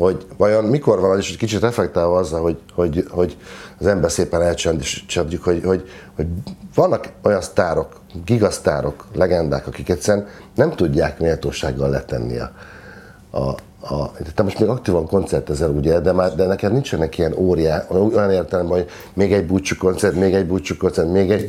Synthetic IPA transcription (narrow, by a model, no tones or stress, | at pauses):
ho̞ɟvɒjo̞nmiko̞rvɒnoliʃɛckit͡ʃit̪rɛflɛk̚t̪aːvɒɒzːɒlɦoɟho̞ɟho̞ɟɒzɛmbɛrseːpɛnɛlt͡ʃɛnd̪eʃt͡ʃɛd̪ukho̞ɟho̞ɟho̞ɟvɒnːɒko̞jɒnst̪aːɾo̞k | ɡiɡɒst̪a̰ːɾo̞klɛɡɛnd̪a̰ːkɒkikɛt̪ʲsɛɾɛnnɛmt̪uɟːaːkmeːlt̪oːʃa̰ːɡːɒllɛt̪ɛ̰nːḭɒ̰ | ɒ̰ | t̪t̪ːɛmo̞ʃt̪meːɡɒk̚t̪iːvɒŋko̞nt̪sɛrt̪ɛzɛluːɟeːd̪ɛmaːrd̪ɛnɛkɛd̪nint͡ʃɛnːɛkijɛnoːɾijaːojɒneːrt̪ɛlɛmbɛnɦoɟ | meːɡɛɟbuːt͡ʃːuko̞nt̪sɛrt̪meːɡɛɟbuːt͡ʃːukont̪sɛrt̪meːɡɛɟ